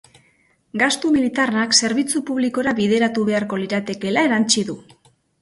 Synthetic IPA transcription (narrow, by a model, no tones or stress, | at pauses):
ɡast̪umilit̪arakse̞ɾβit͡supuβliko̞ɾaβiðe̞ɾat̪uβe̞aɾko̞liɾat̪e̞ke̞lae̞ɾant͡ʃiðu